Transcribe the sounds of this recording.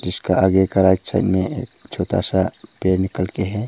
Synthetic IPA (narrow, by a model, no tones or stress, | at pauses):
d͡ʒɪskaaɡekaɾad͡ʒsa̰ɪtmẽeːkt͡ʃʰoːt̪a̰sapeːɾnɪkəlkeɦɛ